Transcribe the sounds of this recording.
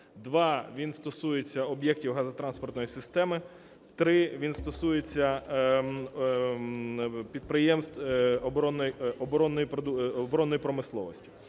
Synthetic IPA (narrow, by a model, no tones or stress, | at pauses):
d̪ʋɑʋʲinst̪ɔsujet͡sʲːɐɔbjɛk̚tʲiwɦɑzɐt̪ɾɑnspɔrt̪nɔjisɪst̪ɛmɪ | t̪ɾɪʋʲinst̪ɔsujet͡sʲːɐ | pʲid̪̚pɾɪjɛmst̪ɔbɔɾɔnːɔjɔbɔɾɔnːɔjipɔd̪ubɔɾɔnːɔjipɾɔmɪslˠɔʋɔsʲtʲi̥